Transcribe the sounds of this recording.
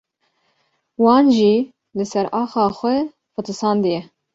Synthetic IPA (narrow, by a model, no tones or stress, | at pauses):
wɑːnʒiː | lɨsɛɾɑːxɑːxʷɛ | fɨt̪ɨsɑːnd̪ɨjɛ